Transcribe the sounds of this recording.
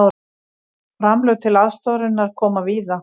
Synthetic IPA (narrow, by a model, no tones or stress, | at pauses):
fɾamlœɣt̪ʰɪlaðst̪awɾɪnːaɾ̥kʰɔːmaviːða